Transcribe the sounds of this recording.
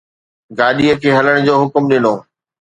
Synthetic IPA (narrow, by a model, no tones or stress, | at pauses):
ɡaːɗiəkʰeːɦɐləɽ̃d͡ʑoːɦʊkmɗɪnoː